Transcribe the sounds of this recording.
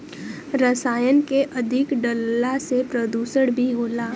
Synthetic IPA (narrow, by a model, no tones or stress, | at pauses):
ɾəsaːjənkeʔɐd̪ʱɪkɖəlːasepɾəd̪uːsəɽbʱiɦoːlaː